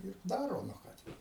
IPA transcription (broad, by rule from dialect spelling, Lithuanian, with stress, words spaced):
ɪr ˈdɑːroː nʊ ˈkɑː tʲɛn